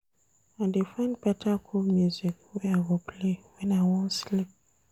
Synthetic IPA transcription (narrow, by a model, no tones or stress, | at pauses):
ãdefɛ̃npɛtʰakʰomjuzikwɛaɡɔpʰlewɛnãwɔ̃nslip̚